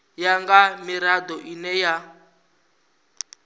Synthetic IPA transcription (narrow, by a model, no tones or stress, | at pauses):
jaŋɡamiɾadɔʔinɛja